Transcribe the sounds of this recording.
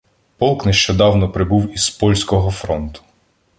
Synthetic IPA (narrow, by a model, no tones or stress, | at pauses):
pɔlˠkneʃt͡ʃɔd̪ɑwnɔpɾɪbuwizpɔlʲsʲkɔɦɔfɾɔnt̪ʊ̥